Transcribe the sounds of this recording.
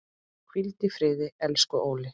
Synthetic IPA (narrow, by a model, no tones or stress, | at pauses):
kʰvilt̪ɪfɾɪːðɪɛlskʏʔoːwlɪ